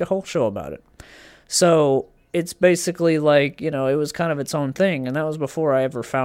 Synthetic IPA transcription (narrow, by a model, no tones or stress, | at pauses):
əhoʊlˠʃoʊəba̰ʊɾɨ̰t̚ | soʊ | ɨtsb̥eɪsɨklilaɪkjɨñoʊɨt̚wʌz̥kʰãɪ̃ndʌvɨtsõʊ̃nθɪ̃ŋɨ̃nðət̚wʌzbəfɔɹaɪɛvə˞fãʊ̃